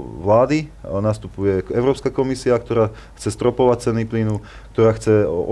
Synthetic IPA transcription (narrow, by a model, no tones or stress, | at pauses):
ʋlaːd̪inast̪upujɛɛʊɾɔːpskakɔmisiak̚t̪ɔɾaː | xt͡sɛst̪ɾɔpɔʋac̚t͡sɛnːiplinu | k̚t̪ɔɾaːxt͡sɛɔ